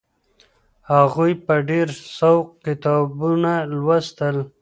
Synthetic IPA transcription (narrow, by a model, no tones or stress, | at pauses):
haɣujpəɖeɾsawqkɪt̪ɑbunalwast̪əl